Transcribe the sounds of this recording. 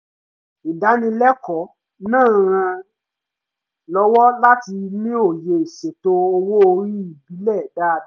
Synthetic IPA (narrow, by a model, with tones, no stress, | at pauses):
i˨da˨˦nĩ˧lɛ˦kɔ˨˦ | nãː˦˨ɾ̃ã˧ | lɔ˦wɔ˦la˦ti˧nĩ˦o˦˨je˧i˨ʃe˨to˧o˧wo˦o˧ɾi˦i˦˨bi˨˦lɛ˦˨da˦˨